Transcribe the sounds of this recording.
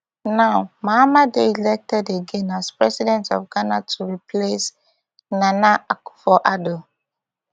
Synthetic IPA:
nawmaamadeilɛk̚tɛdeɡẽnaspɹɛsidɛ̃ntɔfɡanatʰuɹiples | nanaaku̥fɔʔado

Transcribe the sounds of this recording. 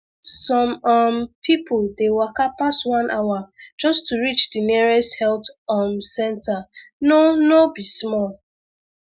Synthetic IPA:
sɔ̃mampʰipʰʊlˠdewakapastwãnʔawad͡ʒʌstuɹit͡ʃdiniɹɛsthɛltamsɛ̃ntanonobismɔl

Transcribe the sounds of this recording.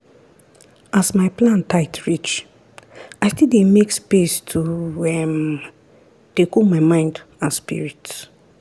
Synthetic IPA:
asmaɪplãntaɪtʰɹit͡ʃ | aɪstidemekspestʰuɛm | d̥ekomaɪmãɪ̃ndãnspḭɹit

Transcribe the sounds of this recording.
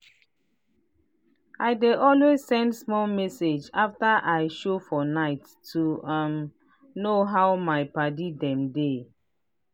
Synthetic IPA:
aɪdeʔɔlwezsɛ̃ndsmɔlmɛsed͡ʒaftaʔaɪʃofɔnaɪtːuãm | noɦaʊmaɪpadidɛ̃mde

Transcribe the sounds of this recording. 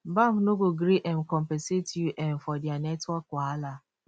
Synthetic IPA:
bãmnoɡoɡɾiʔɛnkɔmpɛnsetjuʔɛnfɔdanɛtwɔkːwaala

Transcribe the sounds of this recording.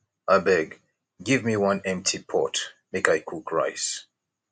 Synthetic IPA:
abɛɡ | ɡɪvmiwʌ̃nɛ̃m̚tʰipʰɔtmeɪkaɪkʰukʰɹa̰ɪs

